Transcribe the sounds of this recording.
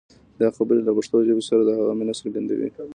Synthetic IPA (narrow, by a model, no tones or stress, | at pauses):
d̪ɑxabəɾelapaʂt̪od͡ʒabesaɾad̪əhaɣaminasaɾɡand̪a̰wḭ